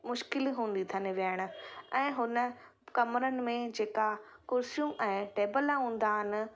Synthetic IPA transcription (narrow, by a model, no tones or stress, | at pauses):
mʊʃkɪlɦũːn̆d̪it̪ʰaneʋijaːɪɽ̃ʊ̆ɛ̃ːɦʊnə̆ | kɐmɾənɪ̆mẽd͡ʑeːkakoːɾsjũːmɛ̃ːʈeːbəlaɦũːn̆d̪aːɦɪnɪ̆